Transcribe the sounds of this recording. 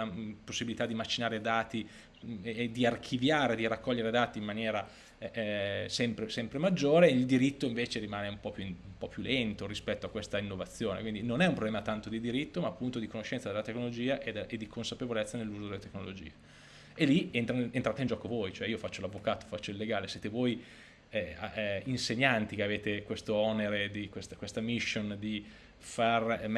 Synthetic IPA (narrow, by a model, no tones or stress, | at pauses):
aposːibilit̪ad̪imat͡ʃːinaːɾed̪aːt̪i | d̪iarkʰivjaːɾed̪irakːɔʎːeɾed̪aːt̪iːmːanjɛːɾa | sɛmpɾesɛmpɾemad͡ʒːoːɾeild̪iɾit̪ːoiɱveːt͡ʃeɾimaːneumpɔpjuumpɔpjulɛnt̪oɾispɛt̪ːoakːwest̪ainːovat̪sːjoːnekwind̪inonɛumpɾoblɛːmat̪ant̪od̪id̪iɾit̪ːomaːpːunt̪od̪ikonoʃːɛnsad̪elat̪eknolod͡ʒiːaʔed̪ʔed̪ːikʰonsapevolɛt̪sːanelːuːzod̪elːet̪eknolod͡ʒḭːe | elient̪ɾanent̪ɾaːt̪eind͡ʒɔkovojt͡ʃoɛiːofat͡ʃːolavːokaːt̪o̥fat͡ʃːoilːeɡaːlesjeːt̪evoːj | ɛinseɲːant̪ikeaveːt̪ekwest̪oɔneɾed̪ikwest̪kwest̪amiʃːond̪i | farm